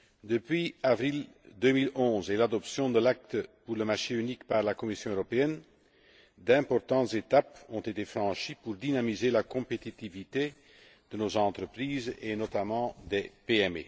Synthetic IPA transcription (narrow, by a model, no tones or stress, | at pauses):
d̪əpɥiavʁild̪ømilɔ̃zelad̪ɔpsjɔ̃d̪əlak̚t̪əpuʁləmaʁʃeynikpaʁlakɔmisjɔ̃øʁɔpeɛn | d̪ɛ̃pɔʁt̪ɑ̃t̪zet̪apɔ̃t̪et̪efχɑ̃ʃipuʁd̪inamizelakɔ̃pet̪it̪ivit̪e | d̪̥ənozɑ̃t̪χəpχiːzenɔt̪amɑ̃d̪ɛpeɛmḛ